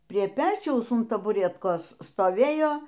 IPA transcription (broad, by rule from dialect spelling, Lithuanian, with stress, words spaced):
pʲrʲiɛ ˈpʲæːt͡ʃʲɛʊs ʊn tɐbʊˈrʲæːtkoːs stoːˈʋʲeːjoː